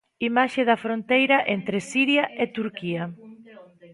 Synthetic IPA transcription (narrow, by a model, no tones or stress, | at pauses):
imaʃɪðɐfɾont̪ejɾɐʔent̪ɾɪsiɾjɐʔɪt̪uɾkiɐ